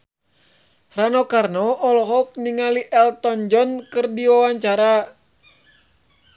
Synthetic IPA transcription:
ranɔkarnɔʔːlɔɦɔk̚niŋaliʔɛlt̪ɔnd͡ʒɔnkɨrdiwawaɲt͡ʃaɾa

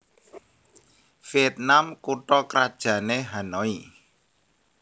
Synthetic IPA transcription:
fiɛt̪̚namkuʈɔkɾad̥ʒ̥ä̤neɦanɔi

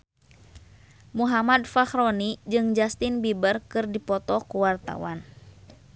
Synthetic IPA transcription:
muɦamadfaxɾɔnid͡ʒɨŋd͡ʒast̪inbibərkɨrdipɔt̪ɔkuwart̪a̰wa̰n

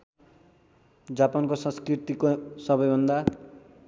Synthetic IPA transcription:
d͡zapankosʌ̃nskrit̪ikosʌbʌjbʱʌnd̪a

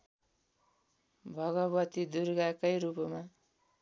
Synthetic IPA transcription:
bʱʌɡʌbʌt̪id̪uɾɡakʌjɾupma

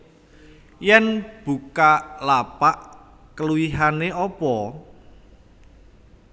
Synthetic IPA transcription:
jɛnb̥ukalapaʔ | kəluwiɦaneʔɔpɔ

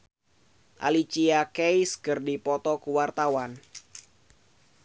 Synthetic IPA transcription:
ʔa̰lit͡ʃiakejskɨrdipɔt̪ɔkuwart̪awan

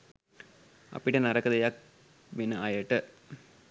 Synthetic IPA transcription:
ɐ̰pːiʈːenɐɾɐkːɐd̪ɐjak̚ | ʋinɐajeʈːɨ

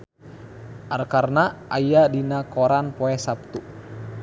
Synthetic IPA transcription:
ʔarkarnaʔajadinakoɾanpɔɛsap̚t̪u

